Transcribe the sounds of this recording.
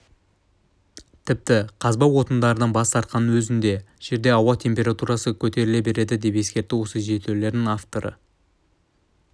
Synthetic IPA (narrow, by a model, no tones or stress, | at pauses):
t̪ʰɪp̚t̪ɪqʰɑzbɑwo̞t̪ənd̪ɑɾənɑnbɑst̪ʰɑɾt̪̚qɑnwɵzɪnd̪e̞ʒ̥e̞ɾd̪e̞ɑwɑt̪ʰe̞mpʲe̞ɾat̪uɾɑsəkʲʰɵt̪e̞ɾɪle̞be̞ɾe̞d̪ɪd̪e̞pe̞skʲe̞ɾt̪ːɪwo̞səʒe̞t̪ʰeɾle̞ɾd̪ɪŋaft̪o̞ɾə̰